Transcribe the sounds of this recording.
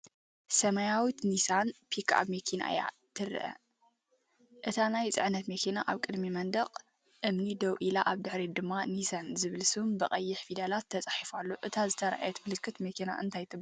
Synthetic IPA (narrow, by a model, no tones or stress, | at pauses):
sɐmɐjawit̪nisanpʰikʰa̰βmekʰina̰ja̰ | t̪ʰɨɾɨ̰ʔɐ̰ | ʔɨt̪ʰanajt͡sʼɨ̰ʕnɐt̪mekʰenaʔaβkʼɨd̪mimɐnd̪ɐqʼ | ʔɨmnid̪ɐwʔilaʔaβd̪ɨħɾid̪ɨmːanisanzɨβɨlsɨβumbɨχʼɐjːɪħfid̪alat̪ʰːɐt͡sʼaħifalːoʔɨt̪ʰazɨt̪ʰɐɾaa̰jɛt̪mɨlɨkʰːɨt̪mekʰena̰ʔɨnt̪ʰajt̪ʰɨb